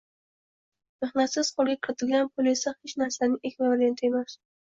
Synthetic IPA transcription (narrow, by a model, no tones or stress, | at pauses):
meχnat̪sɪz̥qʰolˠɡʲakʲʰɪɾɪt̪ʰɪlɡʲanpʰʊlisahɪt͡ʃnaɾsanɪʔekʲʰmavaɾent̪ʰemas